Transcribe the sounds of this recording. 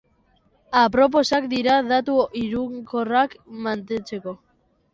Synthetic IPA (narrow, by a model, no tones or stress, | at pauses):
apɾo̞p̬o̞sakd̪iɾaðat̪uʔiɾuŋkorakmant̪e̞nt͡se̞ko̞